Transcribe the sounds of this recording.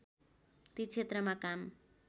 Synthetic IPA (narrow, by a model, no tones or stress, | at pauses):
t̪it͡sʰet̪rʌmakam